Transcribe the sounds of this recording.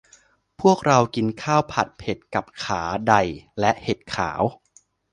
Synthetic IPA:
pʰu˥˩ək̚ɾa˧wki˧nkʰaː˥˩wpʰa˨˩t̪̚pʰe˨˩t̪̚ka˨˩p̚kʰaː˩˦da˨˩jlɛ˦˥ʔhe˨˩t̪̚kʰa̰ː˩˦w

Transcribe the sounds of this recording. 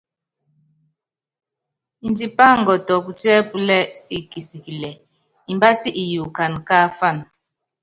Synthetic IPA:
i˨ndi˨pa˦ŋ̩˨ɡɔ˨tɔ˨pu˨tɛ˦pu˦lɛ˦si˦ki˨si˨ki˨lɛ˨ | i˨mba˦si˦ʔi˨ju˨ka˨nka˦fa˦˨n

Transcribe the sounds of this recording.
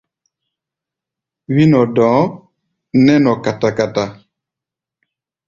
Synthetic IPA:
wi˦nɔ˨dɔ̃ː˨˦ | nɛ˦nɔ˨ka˨ta˨ka˨ta˨

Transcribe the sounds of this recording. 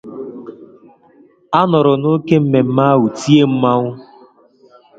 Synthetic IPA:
a˦nɔ˨ɾʊ˨no˦ke˦m̩˦me˨m̩˦ma˦wu˨ti˦e˦m̩˦ma˦ŋʷʊ˦

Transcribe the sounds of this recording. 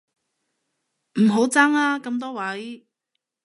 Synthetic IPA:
m̩˨˩ɦo˨˥wt͡saː˥ŋaː˧kɐ˧mt̪̬ɔː˥wɐ˨˥j

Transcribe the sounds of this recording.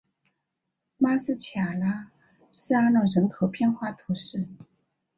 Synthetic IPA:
ma˥s̩˥˩t͡ɕʰja˨˩la˥ | ʂɻ̩˥˧a˥nɑ˥˩ɻə˧˥nkʰɤ˨˥˩pʰjɛ˥˧nxwa˥˩t̪ʰu˧˥ʂɻ̩˥˩

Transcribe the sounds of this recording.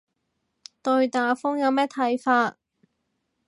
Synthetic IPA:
t̪ɵ˧ɥt̪aː˨˧fʊ˥ŋjɐ˨˧wmɛː˥t̪ʰɐ˨˥jfaː˧t̚

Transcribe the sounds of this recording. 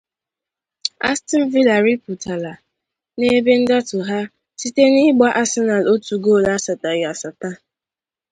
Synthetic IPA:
a̰˦stɪ˦n̩˦vi˦la˨ɾi˦pu˨tʰa˨la˨ | ne˦be˦n̩˦da˦tʊ˨ɦa˦ | si˦te˦ni˦ɡ͡ba˦ʔa˦se˦na˨lo˦tu˨ɡo˦˨la˦sa˨ta˨ɣa˨sa˨ta˦

